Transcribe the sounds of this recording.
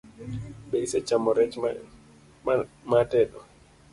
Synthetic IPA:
ɓɛisɛt͡ʃamɔɾɛt͡ʃ | matɛɗɔ

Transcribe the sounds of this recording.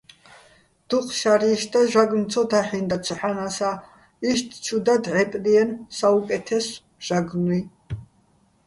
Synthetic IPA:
d̪̥uqʰʼʃaɾiʃd̪aʒaɡnt͡sʰɔt̪ʰaħind̪at͡ʃʰħanasa | iʃt̪ʰt͡ʃʰʼud̪ad̪ʕɛpʼliɛnsaukʼɛt̪ʰɛs | ʒ̥aɡnwi

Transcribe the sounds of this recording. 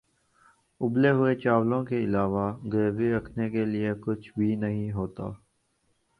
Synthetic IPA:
ʊbleɦʊet͡ʃaːʋlõkeɪlaːʋaɡeːɡiɾɐkʰnekelɪekʊt͡ʃʰbʱinɐɦĩɦoːt̪a̰ː

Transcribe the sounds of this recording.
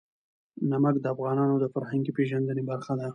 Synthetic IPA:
namakd̪əafɣɑnɑnod̪əfaɾhaŋɡipeʒand̪ənebaɾxad̪a

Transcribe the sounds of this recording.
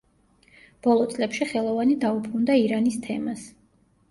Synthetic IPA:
b̥ɔlˠɔt̪sʼlɛpʃiχɛlˠɔvanid̪aubɾund̪aiɾanist̪ʰɛmas

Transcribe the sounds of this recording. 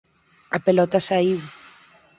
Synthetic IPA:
apelɔt̪asaiw

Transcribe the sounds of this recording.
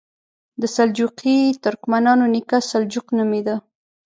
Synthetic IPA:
d̪əsald͡ʒuqit̪ʊɾkmanɑnonikasald͡ʒuqnəmid̪a

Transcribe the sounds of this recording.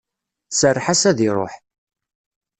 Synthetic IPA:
sərːħasæðiɾˤo̰ħ

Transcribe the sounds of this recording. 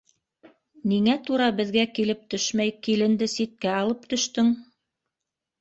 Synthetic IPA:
niŋæt̪uɾɑbɘ̆ðɡækilɘp̚t̪ɵʃmæjkilɘ̆nd̪ɘsit̪̚kæɑlˠɤp̚t̪ɵ̆ʃt̪ɵŋ

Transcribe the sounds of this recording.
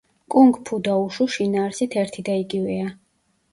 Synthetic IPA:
kʼuŋɡpʰud̪auʃuʃinaːɾsit̪ʰɛɾt̪ʰid̪aiɡivɛa

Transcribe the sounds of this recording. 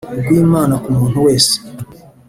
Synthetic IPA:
ɡwiːmaːnakumuːn̥huweːse̥

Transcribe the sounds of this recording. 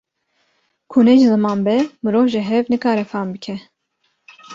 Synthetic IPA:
kʰunɛʒizɨmɑːnbɛmɨɾoːvʒɛɦɛvnɨkʰɑːɾɛfɑːnbɨkʰɛ

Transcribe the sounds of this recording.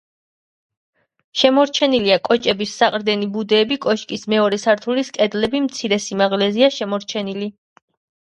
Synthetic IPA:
ʃɛmɔɾt͡ʃʰɛniliakʼɔt͡ʃʼɛbisːaqʼɾd̪ɛnibud̪ɛːbikʼɔʃkʼismɛɔɾɛsaɾt̪ʰuliskʼɛd̪lɛbimt̪sʰiɾɛsimaʁlɛziaʃɛmɔɾt͡ʃʰɛnili

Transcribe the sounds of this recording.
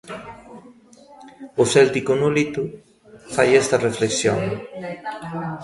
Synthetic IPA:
ʊsɛlt̪ikʊnolit̪u | fajɛst̪ɐrefleksjo̰ŋ

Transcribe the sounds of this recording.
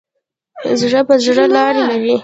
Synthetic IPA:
ə̰zɽəpəzɽəlɑɾelaɾi

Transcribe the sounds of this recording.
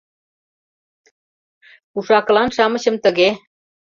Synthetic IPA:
kuʂaːkəlanʂaməɕəmt̪əɡe

